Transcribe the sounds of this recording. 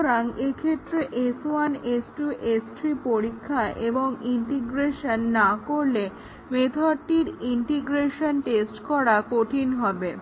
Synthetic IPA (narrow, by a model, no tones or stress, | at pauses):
ɾaŋekʰet̪ːɾeʔesanesʈuʔesʈɾipoɾikʰːaʔeboŋiɳʈiɡɾeʃonːakoɾle | met̪ʰaɾʈiɾiɳʈiɡɾeʃonʈesʈkɔɽakoʈʰinɦɔbe